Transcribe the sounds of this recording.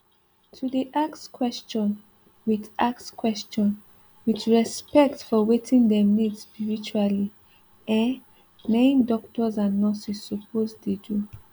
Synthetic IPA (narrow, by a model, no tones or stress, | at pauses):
tʰudiʔakskʰwɛst͡ʃɔ̃n | witakskwɛst͡ʃɔ̃n | wit͡ʃɹɛspɛk̚tfɔwetʰĩndɛmnidspiɹit͡ʃuali | ɛ̃ | nẽndɔk̚tɔzãnːɔsisːɔpʰozdedu